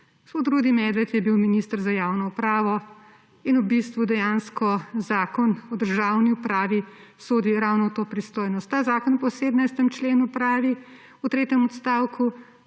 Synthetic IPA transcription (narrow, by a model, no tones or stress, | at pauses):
ɡospot̪ɾuːd̪imɛːd̪ʋɛt̪jɛbiwminist̪əɾzajaːwnɔupɾaːʋɔ | inubist̪ʋud̪ɛjanskɔzaːkɔnɔd̪əɾʒawniupɾaːʋi | soːd̪iɾawnɔt̪oːpɾist̪oːjnɔst̪ːaːzaːkɔnpɔseːd̪najst̪ɛmt͡ʃleːnupɾaːʋi | ut̪ɾeːt̪jɛmɔt̪st̪aːwkʰu